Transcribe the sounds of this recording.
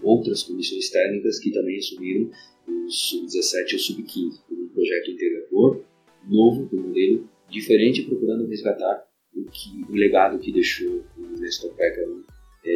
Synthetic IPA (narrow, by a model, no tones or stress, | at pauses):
owt̪ɾɐskõnd̪isõj̃st̪ɛknikɐskɪt̪ɐ̃mbẽj̃asumiɾɐ̃w̃ | ʊsubɪd͡ʒ̪izasɛt͡ʃɪʊsubɪkʰĩzɪkõmũpɾoʒɛt̪ʊĩt̪eɡad̪oɾ | novʊd̪ʊ̃mod̪elʊ | d͡ʒifeɾẽnt͡ʃɪpɾokuɾɐ̃nd̪ʊhezɡat̪aɾ | ʊkʰɪʊleɡad̪ʊkɪd̪eʃõnɛst̪ɔk̚pɛkã | ɛ